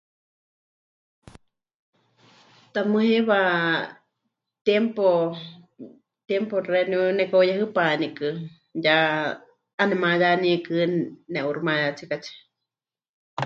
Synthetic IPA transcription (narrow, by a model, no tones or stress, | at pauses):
t̪amɨ̃ɦẽβa | t̪jempo | t̪jemporenjunɛkaojaɦɨpanikɨ | ja | anɛmãjanĩekɨnɛʔuɾmãjat͡sʰikat͡ʃʰi̥